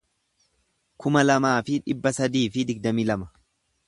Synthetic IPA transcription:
kʊmɐlɐmaːfɪᶑɪbːɐsɐd̪iːfɪd̪ɪɡ̚d̪ɐmilɐmɐ̥

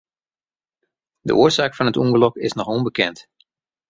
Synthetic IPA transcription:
də̰ʔoːɹzaːkfɑnətṵŋɡəlɔkɪ̰snɔxɔnbəkɛnt

